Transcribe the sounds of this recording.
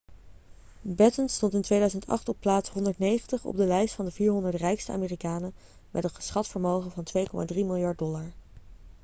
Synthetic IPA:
bɛtənstɔntɪntʋejdœɥzəntɑ̰χtɔpːlaːtsɦɔndəɹtnejχəntəχɔ̰b̚dəlɛjstfɑndəviːɹɦɔndəɹtrɛjkstəʔa̰ːmeːrikaːnə | mʔɛtətχə̥sχɑtfəɹmowχəvɑntʋejkɔmʔa̰ːdrimɪlˠjɑɹt̚dɔlaɹ

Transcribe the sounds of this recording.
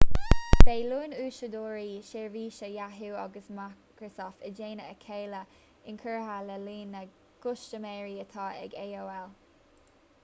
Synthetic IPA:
d̥eːluːnuːʃəd̪oːɹiːʃeːɹviːʃəjaɦuːa̰ɡəsmakɹəsɔːft̪əd͡ʒeːnəəkʰeːlə | ɪnkʰəɹɦaləliːnə | ɡ̥ʊʃt͡ʃəmɛːɹiət̪ʰɑːɛ̰ɡeːoːɛl

